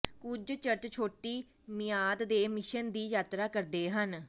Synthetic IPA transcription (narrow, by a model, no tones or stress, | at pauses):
kʊd͡ʒt͡ʃəʈt͡ʃʰoːʈiː | mɪjaːd̪d̪eːmɪʃənd̪iːjaːt̪ɾaːkəɾd̪eːɦən